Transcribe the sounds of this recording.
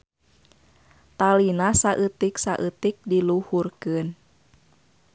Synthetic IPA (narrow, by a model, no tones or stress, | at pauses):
t̪alinasaʔɨt̪iksaʔɨt̪ik̚diluhurkɨn